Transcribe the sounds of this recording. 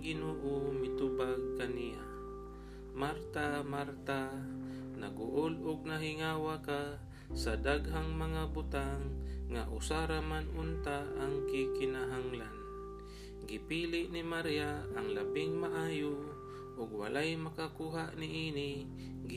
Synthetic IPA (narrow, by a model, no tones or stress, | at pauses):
ɡɪnoːʔomɪt̪ʊbaɡ̚kanija̰ | maɾt̪amaɾt̪a | na̰ɡʊʔolʊɡ̚naɦɪŋaːwaka | sad̪aɡɦaŋmaŋabʊt̪aŋːa̰ʔʊsaɾamanʔʊnt̪aʔaŋkɪkɪnaɦaŋlan | ɡɪpiːlɪʔnɪmaɾjaaŋlabɪŋmaʔaːjo | ʔʊɡwa̰lajmakakuːɦaʔnɪʔiːnɪ | ɡ